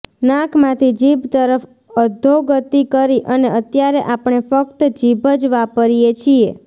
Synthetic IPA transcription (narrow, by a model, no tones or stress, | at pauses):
nãkʰmãt̪ʰid͡ʒibt̪əɾəf | əd̪ʱːoɡət̪ikəɾiʔəneət̪jaɾeʔapɳ̃efəkt̪d͡ʒibʱəd͡ʒʋapəɾijet͡ʃʰie